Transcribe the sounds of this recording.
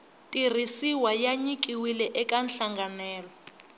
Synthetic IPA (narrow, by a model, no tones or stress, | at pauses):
tʼir̤isiwajaɲik̬ʼiwilɛʔɛkʼanɬaŋɡanɛːlɔ